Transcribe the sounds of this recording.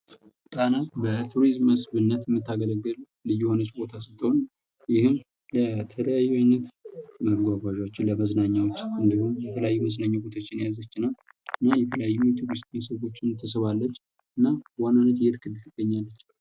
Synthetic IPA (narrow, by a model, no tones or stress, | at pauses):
t̪ʼanat̪bət̪ʰuɾizmːəsbɨnːət̪ɪmːɨt̪ːaɡələɡɨl | lɨjːuho̞nət͡ʃːbo̞t̪ʰasɨt̪ʼːon | jɪhɨm | lət̪ʰələjajuwanːət̪məɡɡʷafaʒawot͡ʃːɪnləməznaɲːawot͡ʃːɨnd̪ihumjɛt̪ʰələjajːuməznaɲːabot̪ʰot͡ʃːɪnjazət͡ʃːɨnal | ɨnːajɛt̪ʰələjajːumut̪ʰuɾist̪ʼmisəwo̞t͡ʃːɪnt̪ʰːɨsɨβalːət͡ʃː | ʔɨnːawanːanət̪jɛt̪kʰɨd̪ɨt̪ɨɡ̥ːəɲːalːət͡ʃː